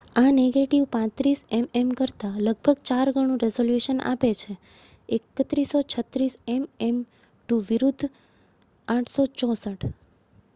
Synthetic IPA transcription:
aneɡeʈiʋpãt̪ɾisɛmɛmkəɾt̪aləɡ̚bʱəɡt͡ʃaɾɡʱəɽ̃ũɾɛzoljuʃəna̰pet͡ʃʰe | ekət̪ɾisot͡ʃʰət̪ɾisɛmɛm | ʈuʋiɾud̪ʱː | aʈʰsot͡ʃɔ̃səʈʰ

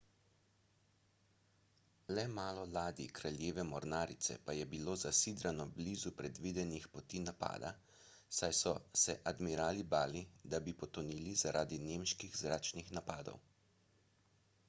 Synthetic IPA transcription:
lɛmaːlɔlaːd̪ikɾaljeːʋɛmɔɾnaːɾit̪sɛ̰pajɛbiloːzasiːd̪ɾanɔbliːzupɾɛd̪ʋiːd̪ɛnixpɔt̪iːnapa̰ːd̪a̰ | sajsɔsɛʔad̪miɾaːlibaːlid̪abipɔt̪ɔniːlizaɾʔaːd̪ineːmʃkiɣzɾaːt͡ʃnixnapaːd̪ɔ̰w

